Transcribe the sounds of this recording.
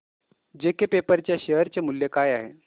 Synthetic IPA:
d͡ʑekepepəɾt͡ɕjaɕeɦəɾt͡ɕemuljekajaɦe

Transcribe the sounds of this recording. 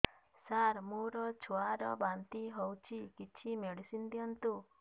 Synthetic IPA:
saɾmuɾɔt͡ʃʰuaɾɔ̰bant̪iɦowt͡ʃʰikit͡ʃʰimeɽisind̪iɔnt̪u

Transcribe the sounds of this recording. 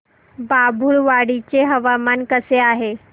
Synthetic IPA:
babʱuɭʋaɽit͡ɕeɦɐʋamankəseaːɦe

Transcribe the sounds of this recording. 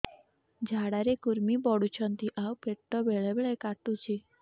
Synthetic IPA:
d͡ʒʱaɽaɾekuɾmibɔɽut͡ʃʰɔnt̪iʔawpeʈʈːɔbeɭebeɭekaʈũt͡ʃʰi

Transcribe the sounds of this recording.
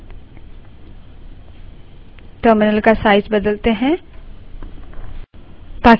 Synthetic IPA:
ʈəːɾmɪnəlkasaːɪzbɐd̪əlt̪eɦɛ̃ | t̪aːk

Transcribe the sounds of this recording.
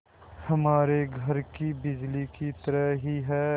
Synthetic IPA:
hɐmaːɾeɡʱɐɾkibɪd͡ʒlikit̪əɾəɦiɦɛː

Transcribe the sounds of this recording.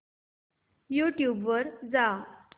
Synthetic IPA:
juʈjubʋəɾd͡za

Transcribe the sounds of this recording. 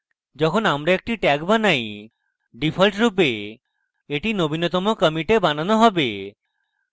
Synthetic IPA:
d͡ʒɔkʰonamɾeek̚ʈiʈɛɡbanaj | ɖipʰɔlʈɾupe | eʈinobʱinot̪ɔmokəmiʈebananɔɦɔbe

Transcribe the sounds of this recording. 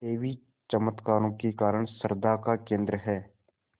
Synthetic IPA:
eːʋi | t͡ʃəmət̪kaːɾõkekaːɾəɳ̃səɾd̪akakẽːnd̪ɾəɦɛː

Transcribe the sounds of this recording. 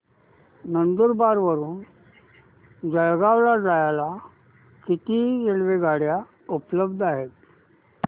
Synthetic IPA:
nənd̪uɾbaɾʋəɾuːn | d͡zəɭɡaʋlad͡zajala | kit̪iɾelʋeɡaɽja | upləbd̪ʱaɦet̪̚

